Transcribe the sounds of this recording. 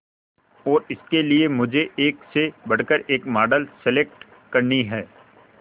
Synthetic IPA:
ɔːɾɪskeliemʊd͡ʒʱeʔeːksebɐɽ̤kəɾeːkmaːɖəlsɪleːk̚ʈ | kɐɾniɦɛː

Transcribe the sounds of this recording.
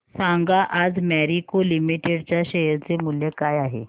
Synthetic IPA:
sãŋɡaʔad͡zmɛɾikolimiʈeɖt͡ɕjaɕeɦəɾt͡semuljekajaɦḛ

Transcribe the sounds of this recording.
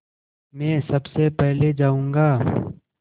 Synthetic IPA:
mɛ̃ːsɐbsepɛɦled͡ʒaːũːŋɡaː

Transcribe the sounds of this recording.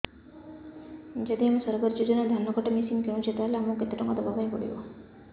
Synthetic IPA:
d͡ʒɔd̪iamesɔɾɡɔɾd͡ʒod͡ʒɔnad̪ʱanːɔɡɔʈemisinkeũt͡ʃʰet̪ɾaleamuket̪ːeʈɔŋkɔd̪ɔbʱabanĩpɔɽḭbɔ̰

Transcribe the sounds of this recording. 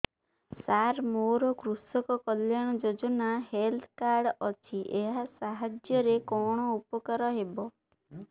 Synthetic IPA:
saɾmoɾɔkɾusɔkɔkɔljaɽ̃ɔd͡ʒod͡ʒɔnaɦelt̪ʰkaɾɖɔt͡ʃʰiʔeɦasaɦad͡ʒjɔɾekɔɽ̃ɔupɔkaɾɔɦebɔ

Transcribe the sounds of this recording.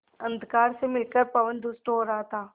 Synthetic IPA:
ɐ̃nd̪ʱkaːɾsemɪlkəɾpɐʋənd̪ʊsʈɦoːɾɐɦat̪ʰaː

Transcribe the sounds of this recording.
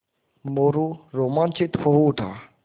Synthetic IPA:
moɾuɾomant͡ʃʰit̪fʰoɦuʈ̪ʰa

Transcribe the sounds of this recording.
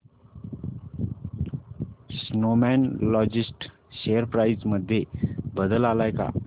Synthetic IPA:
snomɛnlɔd͡ʑisʈ | ɕejəɾpɾajzməd̪ʱːjebəd̪əlalajka̰

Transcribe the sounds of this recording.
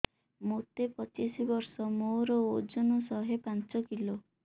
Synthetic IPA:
mot̪epɔt͡ʃisibɔɾsɔmoɾɔod͡ʒɔnɔsɔɦepant͡ʃɔkilo

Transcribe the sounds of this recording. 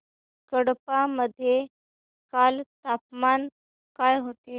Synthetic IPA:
kəɽpaməd̪ʱːje | kalt̪apman | kajɦot̪e

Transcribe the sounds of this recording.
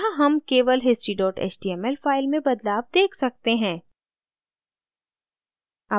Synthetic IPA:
aɦɐmkeːʋəlɦɪsʈɾiɖɔːʈḛːt͡ʃɖiːɛmɛlfaːɪlmẽbɐd̪laːʋd̪eːkʰsɐk̚t̪eɦɛ̃ː | ɐ

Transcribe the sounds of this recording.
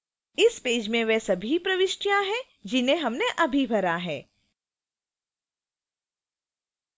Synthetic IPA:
ɪspeːd͡ʒmẽʋɛsɐbʱipɾɐʋɪʃʈjãɦɛ | d͡ʒɪnẽɦɐmneʔɐbʱibʱɐɾaɦɛː

